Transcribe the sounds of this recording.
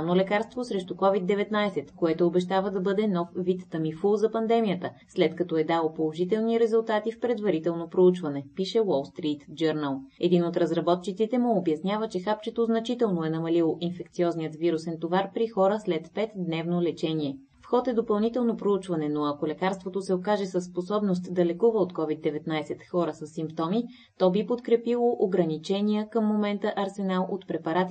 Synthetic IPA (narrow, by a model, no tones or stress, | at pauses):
nolɛkaɾst̪vosɾɛʃt̪ukɔvid̪̚d̪ːɛvɛt̪najsɛt̪koɛt̪oobɛʃt̪avəd̪ɐbɤd̪ɛnɔfvit̪ːɐmifuzɐpɐnd̪ɛmijət̪əslɛt̪kɐt̪ɔɛd̪alˠopolˠoʒit̪ɛlˠniɾɛzulˠt̪at̪ifpɾɛd̪vɐɾit̪ɛlˠnopɾout͡ʃvɐnɛpiʃɛwɔlˠst̪ɾit̪d͡ʒəɾnəlˠɛd̪inot̪ɾɐzɾɐbɔt̪̚t͡ʃit̪sit̪ɛmuobjɐsnʲavət͡ʃɛxap̚t͡ʃɛt̪oznɐt͡ʃit̪ɛlˠnoɛnɐmɐlilˠoʔinfɛkt̪siɔznijət̪viɾusɛnt̪ovaɾpɾixɔɾəslɛt̪pɛt̪d̪nɛvnolɛt͡ʃɛniɛ | fxɔt̪ɛd̪opɐlˠnit̪ɛlˠnopɾout͡ʃvɐnɛnoɐkolɛkaɾst̪vot̪osɛokaʒɛsəsːposɔbnost̪d̪ɐlɛkuvəot̪kɔvid̪ɛvɛt̪najsɛt̪xɔɾəsəsːimpt̪ɔmi | t̪ɔbipot̪kɾɛpilˠoʔoɡɾɐnit͡ʃɛnijəkəmːomɛnt̪əʔɐɾsɛnalˠot̪pɾɛpɐɾat̪i